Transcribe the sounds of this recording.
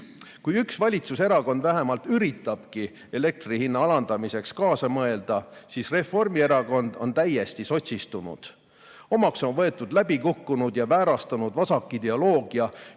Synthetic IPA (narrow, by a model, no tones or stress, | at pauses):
kujyksvɑlʲit̪suse̞ɾɑko̞nd̪væɦe̞mɑlt̪yɾit̪ːˑɑb̥ki | e̞le̞k̚t̪rihinːɑɑlɑnd̪̥ɑmise̞kskɑːsɑmɤe̞ld̪̥ɑsiːsre̞fo̞rmie̞ɾɑko̞nd̪̥o̞nt̪æje̞st̪iso̞t̪ʲsist̪unṵd̪̥ | o̞mɑkso̞nvɤ̞et̪ːˑud̪læbikukːunud̪jɑvæːɾɑst̪ɑnud̪vɑsɑkːˑid̪e̞olo̞ːɡ̥iɑ